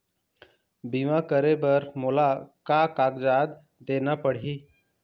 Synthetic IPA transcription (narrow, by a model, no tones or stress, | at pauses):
biʋãkəɾebəɾmolakakaːɡd͡ʒaːd̪ | d̪eːnapəɽ̤iː